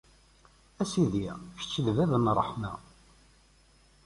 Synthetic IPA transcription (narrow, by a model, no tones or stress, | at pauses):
æsiðiçə̥t͡ʃːəðvæðənrˤːə̰ħmæ̰